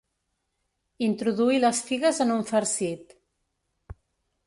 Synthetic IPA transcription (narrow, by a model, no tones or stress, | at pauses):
int̪ɾuðuiləsfiɣəzənuɱfəɾsit̪